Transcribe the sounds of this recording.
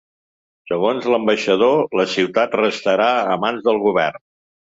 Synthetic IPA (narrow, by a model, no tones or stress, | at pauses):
səɣonzləmbəʃəðoləsiwt̪at̪rəst̪əɾaəmanzðəlˠɣuβɛrn